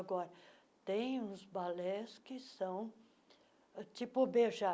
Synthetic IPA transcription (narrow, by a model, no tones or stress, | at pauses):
ɡɔɾɐ | t̪ẽj̃ũzbalɛskɪsɐ̃w̃ | t͡ʃipʊbeʒa